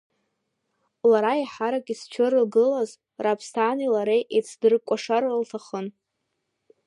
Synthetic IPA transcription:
laɾaiħaɾakʼist͡ʃʷʰɪrɨlɡɨlaz | rapʰstʰanilaɾejʔet͡sʰdɨrkʷʼaʂarɨltʰaχən

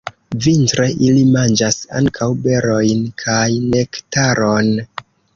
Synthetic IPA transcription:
vintɾe̞ʔilimand͡ʒasa̰ŋkʰawbe̞ɾo̞jnkʰajne̞ktaɾo̞n

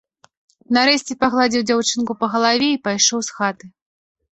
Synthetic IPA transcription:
naɾɛsʲt͡sʲɛpaɣlˠad͡zʲiwd͡zʲawt͡ʂɨnkupɐɣɐlˠavʲɛipajʂɔwsxat̪ɨ

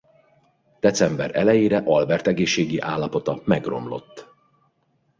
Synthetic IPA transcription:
d̪̥ɛt̪sɛmbɛɾɛ̰lɛjeːɾɛʔɒlbɛrt̪ɛɡeːʃːeːɡiʔaːlːɒpo̞t̪ɒmɛɡro̞̰mlo̞̰t̪ː

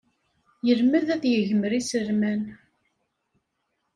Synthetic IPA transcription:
jəɾmæðæðjəʝəməɾisəɾmæn

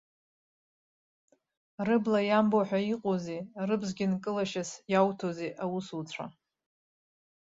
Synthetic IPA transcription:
rɨblajamboħʷᶣaiqʼozerɨbzɡʲɪnkʼɨlaʃasjawtʰozeʔawusut͡sʷʰa̰

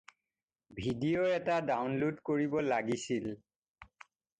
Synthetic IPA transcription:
bʱidijoɛtadawnludkoɹibɔlaɡisil

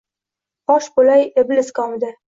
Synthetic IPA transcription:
ɒʃbolajebɪlɪskɒmd̪ɪ

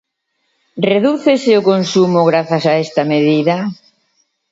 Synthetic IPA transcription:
reðuθeseʊkonsumʊɣɾaθasaest̪ameðiðɐ

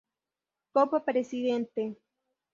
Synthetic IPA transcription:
kopapɾesiðent̪e

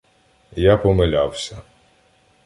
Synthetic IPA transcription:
japɔmelʲawsʲɐ

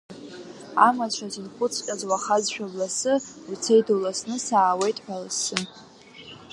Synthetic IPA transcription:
a̰mat͡ʃʷʰazinχʷʊt͡sʰkʲʼazwaχazʃᶣablasɨut͡sʰejdulasnɨsaːwe̞jtʼħʷalɨsɨ

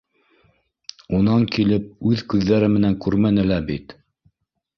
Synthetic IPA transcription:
unɑŋkilɘp̚ʉðkʉðːæɾɘmɘ̆næŋkʉɾmænɘ̆læbit̪

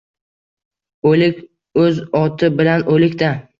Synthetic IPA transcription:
olɪkʲ | ɵzɒt̪ʰɪbɪlanolɪkʲt̪a

